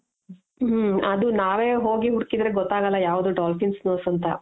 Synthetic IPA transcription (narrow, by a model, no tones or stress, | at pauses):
ɦɐd̪unaːʋe̞ːɦo̞ːɡiɦuɽkid̪ɾeɡɔt̪ːaːɡɐlːɐjaːʋud̪uɖaːlpinsnoːsɐnt̪ɐ